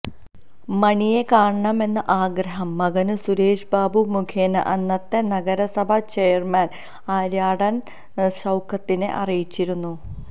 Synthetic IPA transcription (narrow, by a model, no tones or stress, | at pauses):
mɐɳije̞kaːɳɐɳɐme̞nːɐʔaːɡɾɐɦɐmːɐɣɐnɨsuɾe̞ːʂbaːbumukʰeːnɐ̰ʔɐnːɐt̪ːe̞nɐɡɐɾɐsɐbʱɐt͡ɕejɐrmɐːn | aːɾjaːɽɐn | ɕɐwkʰɐt̪ːinḛʔɐrijit͡ɕːiɾunːu